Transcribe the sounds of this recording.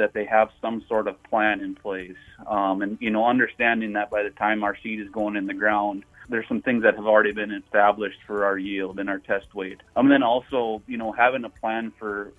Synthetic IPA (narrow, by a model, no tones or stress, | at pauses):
ðɨt̪̚ðeɪɨv̥sʌ̃msɔɹɾʌv̥pʰl̥æ̃nɨ̃npʰl̥eɪsmɨ̃njɨnoʊʌ̃ndə˞stæ̃ndɪ̃ŋðɨt̚b̥aɪðɨtʰãɪ̃maʊə˞siɾɨzɡoʊɪ̃ŋɨ̃nðɨɡɹãʊ̃nðə˞z̥sʌ̃mθɪ̃ŋzðɨt̚həvl̩ˠɹɛɾibɨ̃nɨstæblɨʃtfə˞aʊə˞jilˠdɨ̃naʊə˞tʰɛst̚weɪt̚ | ðɨ̃nɔlˠsoʊjɨñoʊhævɪ̃ŋəpʰl̥æ̃nfə˞